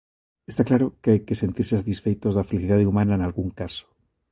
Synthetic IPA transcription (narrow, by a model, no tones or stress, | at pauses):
est̪aklaɾokeajke̞se̞nt̪iɾsesat̪isfejt̪o̞zðafeliθiðaðeumanaenalɣuŋkaso̥